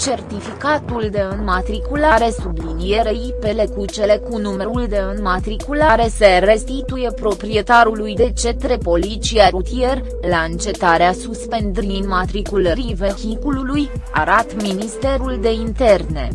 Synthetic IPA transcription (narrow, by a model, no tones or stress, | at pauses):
t͡ʃe̞rt̪ifikat̪uld̪e̞ɨnmat̪ɾikulaɾe̞sublinije̞ɾejpe̞le̞kut͡ʃe̞le̞kunumeɾuld̪e̞ɨnmat̪ɾikulaɾe̞se̞re̞st̪it̪uje̞pɾo̞pɾie̞t̪aɾulujd̪e̞t͡ʃe̞t̪ɾe̞po̞lit͡ʃiaɾut̪ie̞r | laɨnt͡ʃe̞t̪aɾeasuspe̞nd̪ɾinmat̪ɾikuləɾivexikululujaɾat̪minist̪e̞ɾuld̪e̞int̪e̞rne̞̰